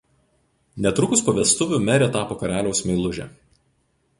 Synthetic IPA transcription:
nʲɛt̪ɾʊkʊspɐʋʲɛst̪ʊʋʲʊmʲɛɾʲeːt̪ɑːpoːkɐɾʲæːlʲɛʊsmʲɛɪlˠʊʒʲɛ̰

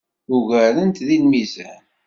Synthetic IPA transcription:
uɣæɾənt̪ðinmizæn

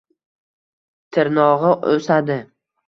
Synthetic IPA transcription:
t̪ʰɪɾnɒʁɨosad̪ɪ

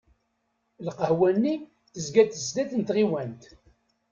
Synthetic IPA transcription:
lqəhwænːi | θəzɡæt̪əzd̪æθənt̪ʁiwænt̪

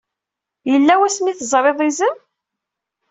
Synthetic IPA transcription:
jəlːæwæsmiθəzˤɾˤeðˤizəm

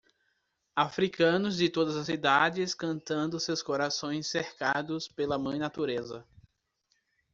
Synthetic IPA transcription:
afɾikɐ̃nʊzd͡ʒɪt̪od̪ɐzɐsid̪ad͡ʒɪskɐ̃nt̪ɐ̃nd̪ʊsewskoɾasõj̃sːeɾkad̪ʊspelɐmɐ̃j̃nat̪uɾezɐ

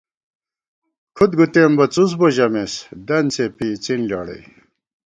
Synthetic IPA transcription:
kʰut̪ɡut̪embɐt͡sus̬boʑɐmesd̪ɐnt͡sepit͡sinlɑ̰ːɽḛj

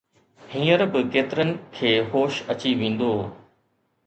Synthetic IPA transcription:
hĩːəɾbɪkeːt̪ɪɾənɪ̆kʰeːɦoːʃɐt͡ɕiʋẽːn̆d̪oː

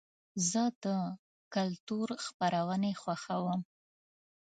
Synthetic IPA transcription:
zəd̪ə | kalt̪uɾxpaɾawənexwaxawəm

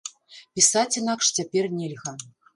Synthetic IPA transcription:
pʲisat͡sʲinakʂt͡sʲapʲɛrnʲɛlʲɣɐ

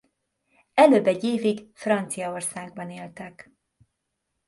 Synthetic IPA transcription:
ɛløːbɛɟeːviɡfrɒnt̪sijɒorsaːɡ̚bɒneːlt̪ɛk

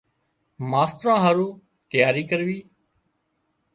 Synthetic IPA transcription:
maːst̪ɾãːɦaːɾũː | t̪əjaːɾiːkəɾʋiː

